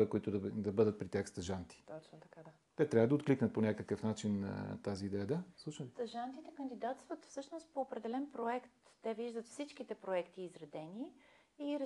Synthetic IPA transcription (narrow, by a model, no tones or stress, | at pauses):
ɛkoit̪ʊd̪d̪ɐbɤd̪ət̪̚pɾit̪ʲjaxst̪ɐʒant̪i̥t̪ɔt͡ʃ̪t̪ɐka | t̪ɛt̪ɾʲavəd̪ɐot̪̚kliknət̪̚ponʲakəkəfnat͡ʃin̰t̪aziːd̪ɛjəd̪aslˠuʃnst̪ɐʒant̪it̪ɛkənd̪id̪at̪st̪vət̪fsɤʃnost̪̚poːpɾɛd̪ɛlɛnpɾoɛkt̪ːɛviʒd̪ət̪fsit͡ʃk̟it̪ɛpɾoɛkt̪iːzɾɐd̪ɛni | iɾ